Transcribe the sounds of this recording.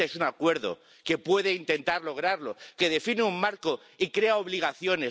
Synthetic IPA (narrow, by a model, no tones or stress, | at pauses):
esunakwe̞ɾðo̞̰ | ke̞pwe̞ðe̞int̪e̞nt̪aɾlo̞ɣ̞ɾaɾlo̞ke̞ð̞e̞fineummaɾko̞ | ikɾe̞aoβ̞liɣ̞aθjo̞ne̞